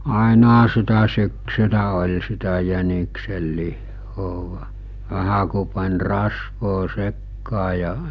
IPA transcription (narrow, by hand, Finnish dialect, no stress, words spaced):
ɑˑenɑhɑ sitæ syksylæ olʲ sitæ jænikselːihːoː ʋæhæ ku pɑnʲ rɑsʋoː sekːɑː jɑ